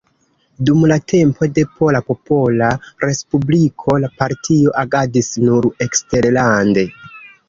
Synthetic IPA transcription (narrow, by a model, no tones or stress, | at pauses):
dumlatʰe̞mpo̞de̞pʰo̞lapo̞po̞laɾe̞spublikʰo̞lapaɾtʰio̞ʔaɡadisnuɾe̞kste̞ɾlande̞